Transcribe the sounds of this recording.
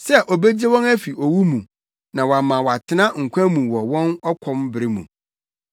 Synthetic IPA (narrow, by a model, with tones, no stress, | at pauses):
sɛ˦ʔo˨bɛ˦d͡ʑɛ˦wɔ̃˦næ˦fi˨ʔo˨wu˦mũ˨ | nã˨wa˨mã˨wɔ˨a˨tʰɪ˦nã˦ŋ̩˨kʷʰã˦mũ˨wɔ˨wɔ̃˦nɔ˦kʰɔ̃˦mbɪ˨ɾɪ˦mṵ̃˨